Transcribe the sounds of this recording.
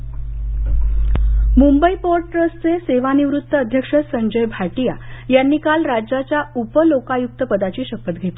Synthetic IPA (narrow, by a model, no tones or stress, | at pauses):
mumbəipoɾʈɾəst͡seseʋaniʋɾut̪ːəəd̪ʱjəkʂəsəɲd͡ʑəjbʱaʈijajanːiːkalɾad͡ʑat͡ɕjaupəlokajuk̚t̪əpəd̪at͡ɕiːɕəkːət̪ɡʱet̪i